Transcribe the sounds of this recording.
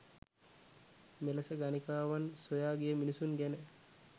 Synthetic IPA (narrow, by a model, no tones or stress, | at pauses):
melɐsəɡanikaːʋansojaːɡijəminisuŋɡænə